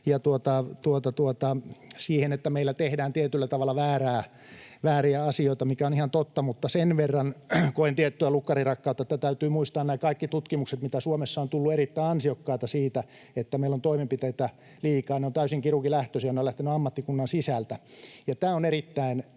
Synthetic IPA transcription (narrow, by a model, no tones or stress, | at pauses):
jɑt̪uot̪ɑt̪uot̪ɑt̪uot̪ɑsiːhenet̪ːæmeilːæt̪ehdæːnt̪iet̪ylːæt̪ɑʋɑlːɑʋæːræː | ʋæːriæɑsioit̪ɑmikæonihɑnt̪ot̪ːɑmut̪ːɑsenʋerːɑnkoent̪iɛt̪ːyælukːɑrirɑkːɑut̪ːɑet̪ːæt̪æyt̪yːmuist̪ɑːnnæːkɑikːit̪ut̪kimukset̪mit̪æsuomesːɑont̪ulːueɾit̪ːæiɑnsiokːɑːt̪ɑsiːt̪æ | et̪ːæmeilːont̪oimempit̪eit̪æ | liːkɑːneont̪æysiŋkirukilæht̪øsijɑneolæht̪enyɑmːɑt̪ːikunːɑnsisælt̪æjɑt̪æːonerit̪ːæin